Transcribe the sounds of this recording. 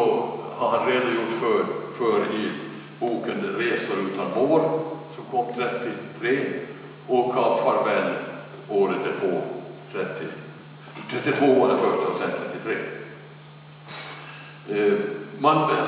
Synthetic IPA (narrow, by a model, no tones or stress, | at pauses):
ɔ | haɾhanɾeːd̪ajʊʈːfœfœːɾɪ | buːkənɾeːsʊɾʉ̟ːt̪ʰanmoːɾsɔmkʰɔmːt̪ʰɾɛt̪ːɪt̪ʰɾeː | ɔkʰːɑfaɾbɛlː | oːɾət̪ɛoːt̪ʰɾɛt̪ːɪ | t̪ʰɾɛt̪ːɪt̪ʰvoːoːad̪əɾfœʈɪɔsɛnt̪ʰɾɛt̪ːɪt̪ʰɾeː | man